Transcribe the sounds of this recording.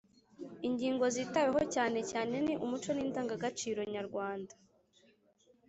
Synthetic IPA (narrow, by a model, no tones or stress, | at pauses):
iɲɟiːŋɡo̞ziːtaweɦo̞caːne̞caːne̞niʔumut͡ʃo̞niːntaːŋɡaɡat͡ʃiːɾo̞ɲaɾɡwaːndḁ